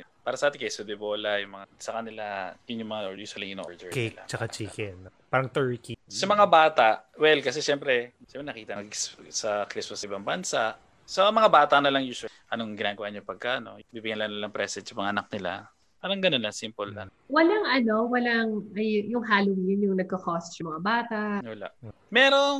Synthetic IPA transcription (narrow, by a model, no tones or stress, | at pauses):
paːɾɐsɐʔaːt̪ɪŋkɐjsɐd̪ɪboːlɐjʊŋmɐŋasɐkɐnɪlajʊnjʊŋmɐŋajuːswɐlijɪno̰ʔɔɹd̪ɛkɛɪla̰t͡ʃɐkat͡ʃiːkɛnpaɾɐŋt̪ɛɹkisɐmɐŋabaːt̪aʔwɛlkɐsɛʃɛmpɾɛ | ʃɛmpɾɛnɐkiːt̪ɐɡsɐklɪspɐsɐʔɪbaŋbɐnsaʔ | sɐmɐŋabaːt̪ɐnɐlɐŋjuːsw | ʔɐnoŋɡɪnaːɡɐwaʔɲopɐɡ̚kaʔɐno̞biːbɪɡɐnlɐŋnɐlaŋpɾɛsɛsɐmɐŋaʔɐnɐk̚nɪla̰ | paːɾɐŋɡɐnonlɐsimpolɐ̰n | wɐlaŋʔɐno̞wɐlaŋɐjjʊŋɦaːlɪd̪jɪnjʊŋnɐɡ̚kɐkost̪jʊmɐŋabaːt̪ɐʔʔwɐla̰ʔ | mɛːɾo